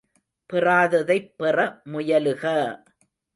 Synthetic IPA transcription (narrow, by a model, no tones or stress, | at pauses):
pɪraːðɐðɐɪpːɪrɐmʊjɐlɯɣɐ